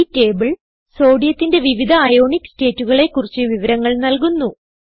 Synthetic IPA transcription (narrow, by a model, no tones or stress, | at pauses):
te̞ːbɨɭ | so̞ːɖijɐt̪ːinde̞ʋiʋid̪ʱɐːjo̞ːɳikːste̞ːtːuɣɐɭe̞kːurit͡ɕːɨʋiʋɐɾɐŋːɐɭnɐlkunːu